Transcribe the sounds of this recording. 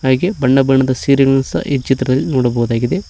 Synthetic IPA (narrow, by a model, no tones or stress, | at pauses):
aːɡebɐɳːɐbɐɳɐd̪ɐsiːɾɐɡɐsɐ̰ʔid͡ʒit̪ːɾɐðɐlnuːɽɐboːɐðaːɡiðe